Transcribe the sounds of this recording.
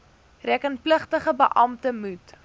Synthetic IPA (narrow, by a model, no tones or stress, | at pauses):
rækənpləχtəχəbəʔɐmtəmut